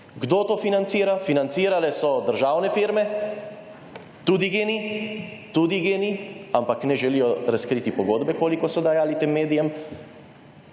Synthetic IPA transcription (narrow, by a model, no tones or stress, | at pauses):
ɡd̪oːt̪oːfinant̪siːɾafinant̪siːɾalɛsɔd̪əɾʒaːwnɛfiɾmɛ | t̪uːd̪iɡeːnit̪ud̪iɡeːniampaknɛʒɛlijɔɾaskɾiːt̪ipɔɡoːd̪bɛkoːlikɔsɔd̪ajaːlit̪emːeːd̪ijɛm